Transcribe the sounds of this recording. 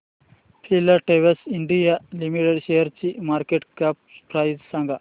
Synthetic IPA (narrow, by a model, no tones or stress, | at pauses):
pʰilɐʈeʋɐsiɳɖijalimiʈeɖʃejɐɾt͡ʃimaːɾkeʈkap̚pɾajssɐŋɡʱɐ